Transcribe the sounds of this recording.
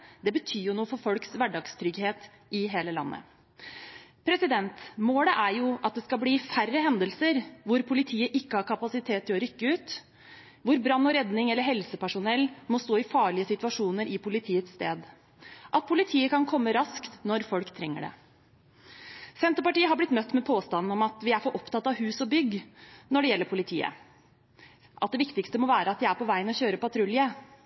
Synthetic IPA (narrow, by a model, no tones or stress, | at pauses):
d̪ɛbət̪ʰyːjʊnuːəfɔɾfɔlksʋæɖɑɡst̪ʰɾʏɡheːt̪ | ʔɪɦeːləlɑ̰nːə̰ | pʰɾɛsɪd̪ɛnt̪moːləʔæɾjʊʔɑt̪̚d̪ɛskɑbliːfærəɦɛnd̪əlsəɾʋʊɾpʰʊlɪt̪ʰiːəʔɪkːəhɑɾkʰɑpɑsɪt̪ʰeːt̪ʰːɪlɔɾʏkːəʉːt̪ | ʋʊɾbɾɑnːɔɾɛd̪nɪŋɛlːəɾɦɛlsəpæʂʊnɛlːmɔst̪oːɪfɑːɭɪəsɪt̪ʉɑʂuːnəɾʔɪpʰʊlɪt̪ʰiːət̪sst̪eːd̪ | ʔɑt̪̚pʰʊlɪt̪ʰiːəkɑnkʰɔmːəɾɑskt̪nɔɾfɔlkt̪ʰɾɛŋːə̰ɖɛ̰ | sɛnt̪əɾpɑʈiːəɦɑblɪt̪mœt̪ːmɛpʰoːst̪ɑnn̩ɔmɑt̪ʋɪæɾfɔɾʔɔpt̪ɑt̪ːɑʋhʉːsɔbʏɡnɔɖɛjɛlːəɾpʰʊlɪt̪ʰḭːə̰ | ʔɑt̪̚d̪ɛʋɪkt̪ɪkst̪əmɔʋæːɾəɑt̪̚d̪ɪæɾpɔʋæɪənɔçøːɾəpɑt̪ʰɾʉljə